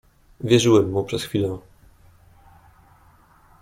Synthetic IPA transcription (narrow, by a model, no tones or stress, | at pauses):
vʲjɛʐɘwɛmːupʂɛsxfʲilɛ̃